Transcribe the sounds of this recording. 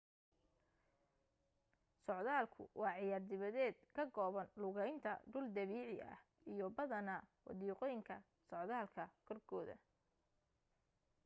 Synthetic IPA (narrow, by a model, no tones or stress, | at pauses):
sɔʕðaːlkʰʊ̰wʔɑːʕɪjaːrd̪ɪβɐðɛːd̪̚kʰɐɡɔːβɐnlʊɣɛjnt̪ʰɐ̰ɖʊld̪ɐβiːʕɪʔɐ̰h | ijɔbɐðɐnɐwɑ̰ðiːqɔjŋkʰɐ | sɔʕðaːlkʰɐkʰɔrkʰɔːðɐ̰